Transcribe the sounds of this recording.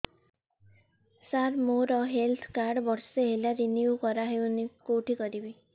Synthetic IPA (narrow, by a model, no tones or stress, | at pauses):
saɾmoɾɔɦelt̪ʰkaɾɖbɔɽseɦelaɾinjukɔɾaɦewnikoʈikɔɾibi